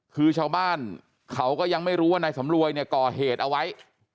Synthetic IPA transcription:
kʰɯː˧t͡ɕʰaː˧wbaː˥˩n | kʰa˦˥wkɔː˥˩ja˧ŋma˥˩jɾuː˦˥waː˥˩naː˧jsa˩˦mɾu˧əjni˥˩ɐkɔː˨˩ɦeː˨˩t̪̚ʔa˧wa˦˥j

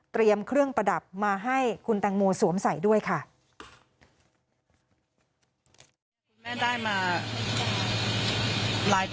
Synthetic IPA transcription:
t̪ɾi˧əmkʰɾɯ˥˩əŋpɾa˧da˨˩p̚maː˧ɦa˥˩jkʰu˧nt̪ɛː˧ŋmoː˧su˩˦əmsa˩˦jdu˥˩əjkʰa˥˩ | u˧nmɛ˥˩ndaː˥˩jmaː˧ | laː˨˦j

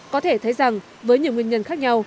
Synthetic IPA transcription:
kɔ˨˦t̪ʰe˧˩t̪ʰə˨˦jza˨˩ŋ | vəː˨˦jɲɨ˨əŋwi˧ənɲə˧˩nxaː˦˥k̚ɲa˧w

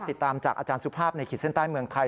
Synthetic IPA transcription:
t̪i˨˩t̪ːaː˧mt͡ɕaː˨˩k̚ʔaː˧t͡ɕaː˧nsu˦˥pʰaː˥˩p̚na˧jkʰiː˨˩si˥˩nt̪aː˥˩jmɯ˧əŋt̪ʰa˧j

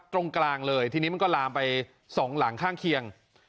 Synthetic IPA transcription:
t̪ɾo˧ŋklaː˧ŋlɤː˧jt̪ʰiː˧niː˦˥ma˧nkɔ˥˩laː˧mpa˧j | sɔː˩˦ŋla˩˦ŋkʰaː˥˩ŋkʰi˧əŋ

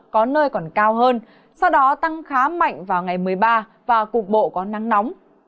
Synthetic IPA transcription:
kɔ˨˦nəː˧jkɔ˨˩nkaː˧wɦəː˧n | sa˧wɗɔ˨˦t̪a˧ŋxaː˨˦ma̰˧˨jŋ̟vaː˨˩wŋa˨˩jmɨ˨˩əjɓaː˧ | vaː˨˩ku˨˩ək̚ɓo̰˧˨kɔ˨˦na˨˦ŋnɔ˨˦wŋ͡m

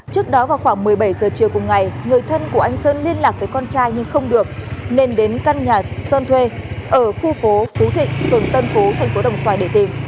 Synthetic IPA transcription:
t͡ɕɨ˦˥ək̚ɗɔ˨˦vaː˨˩wxwaː˧˩ŋmɨ˨˩əjɓə˧˩jzəː˨˩t͡ɕi˨˩əwkʊ˨˩ŋ͡mŋa˨˩jŋɨ˨˩əjt̪ʰə˧nku˧˩əʔa˧jŋ̟səː˧nli˧ənlaː˨˩k̚vəː˨˦jkɔ˧nt͡ɕaː˧jɲɨ˧ŋxə˧wŋ͡mɗɨ˨˩ək̚ne˧nɗe˨˦nka˧nɲaː˨˩səː˧nt̪ʰwe˧ʔəː˧˩xu˧fo˨˦fu˨˦t̪ʰḭ̈˧˨ŋ̟fɨ˨˩əŋt̪ə˧nfo˨˦t̪ʰa˨˩jŋ̟fo˨˦ɗə̰˧˩wŋ͡mswaː˨˩jɗḛ˧˩t̪i˨˩ŋ

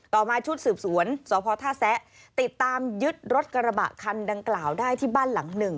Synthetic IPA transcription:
t̪ɔː˨˩maː˧t͡ɕʰu˦˥t̪̚sɯː˨˩p̚su˩˦ənsɔː˨˦pʰɔː˧t̪ʰaː˥˩sɛ˦˥ʔ | t̪i˨˩t̪ːaː˧mjɯ˦˥t̪̚ɾo˦˥t̪̚ka˧ɾa˧ba̰˨˩ʔkʰa˧nda˧ŋklaː˨˩wdaː˥˩jt̪ʰiː˥˩baː˥˩nla˩˦ŋnɯ˨˩ŋ

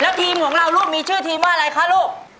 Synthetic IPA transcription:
lɛː˦˥wt̪ʰiː˧mkʰɔː˩˦ŋɾa˧wɾuː˥˩m̚miː˧t͡ɕʰɯː˥˩t̪ʰiː˧mːaː˥˩˨ɾa˧jkʰa˦˥loː˥˩k̚

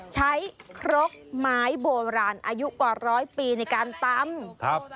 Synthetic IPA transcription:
t͡ɕʰa˦˥jkʰɾo˦˥k̚maː˦˥jboː˧ɾaː˧nʔaː˧ju˦˥ʔkwaː˨˩ɾɔː˦˥jpiː˧na˧˩jkaː˧nt̪a˧mkʰa˦˧p̚

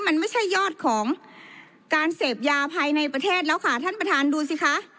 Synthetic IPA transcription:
ma˧˥nma˥˩jt͡ɕʰa˥˩jːɔː˥˩t̪̚kʰɔː˩˦ŋ | kaː˧nseː˨˩p̚jaː˧pʰaː˧jna˧jpɾa˧t̪ʰeː˥˩t̪̚lɛː˦˥wkʰaː˧˩t̪ʰa˥˩npɾa˧t̪ʰaː˧nduː˧si˧˦kʰa˦˥ʔ

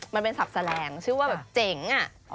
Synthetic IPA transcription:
ma˧npe˧nsa˨˩p̚sa˧lɛː˧ŋt͡ɕʰɯː˥˩˦waː˥˩bɛː˨˩p̚t͡ɕe˧˩ŋʔa˨˩

